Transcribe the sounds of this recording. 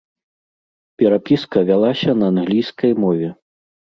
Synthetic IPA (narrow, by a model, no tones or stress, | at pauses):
pʲɛɾapʲiskɐvʲalˠasʲɐnɐanɣlʲijskɐjmɔvʲɛ